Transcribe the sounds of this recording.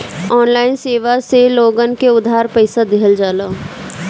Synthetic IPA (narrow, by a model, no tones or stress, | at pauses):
ɔːnlaːɪnseːʋaseloːɡənkeʊd̪ʱɦaːɾpəɪsad̪ɪɦəld͡ʒaːlaː